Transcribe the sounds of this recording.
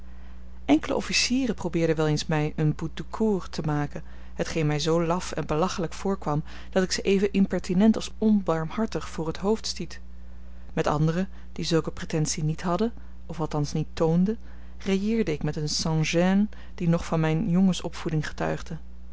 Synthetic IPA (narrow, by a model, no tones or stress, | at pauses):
ʔɛŋkələ̰ʔɔfisiːrəprowbɪːɹdənʋɛlˠejnsmɛjənbut̚əkʰuːrtʰəmaːkən | ɦətχejnmɛjzowlɑfɛnbəlɑχələkfʊːɹkʋɑm | d̥ɑtɪksəʔejvənʔɪmpɛɹtinɛntɑlˠsɔnbɑɹmɦɑɹtəχfʊːrɦətɦowftstit | mɛtɑ̰ndərə | d̥izɵlˠkəpretɛnsinitɦɑdə | ɔfɑlˠtɑnsnitːowndə | reɪːɹdəɪkmɛtənsɑ̃ʒɛn | d̥inɔχfɑnmɛjnjɔŋəsɔpfudɪŋχə̥tœ̰ɥχdə